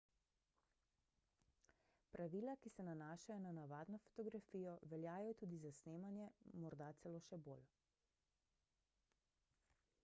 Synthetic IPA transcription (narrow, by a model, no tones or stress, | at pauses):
pɾʔaʋiːlakisɛnanaːʃajɔnanaʋaːd̪nɔfɔ̥t̪ɔɡɾafiːjɔʋɛljaːjɔt̪uːd̪izasneːmanjɛmɔɾd̪at̪sɛloːʃɛbo̰ːl